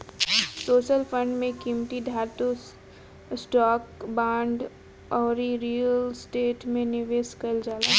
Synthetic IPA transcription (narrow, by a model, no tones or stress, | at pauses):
soːʃəlfə̃ɳɖmẽkimʈid̪ʱaːɾt̪u | sʈaːkbãːɳɖ | ɔːɾiɾiːjəlsʈeːʈmẽnɪʋeːskɐld͡ʒaːlaː